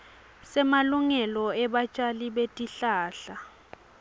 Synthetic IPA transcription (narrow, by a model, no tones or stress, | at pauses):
sɛmaluŋɛlɔɛɓat͡ʃʼaliɓetʼiɬaːɬa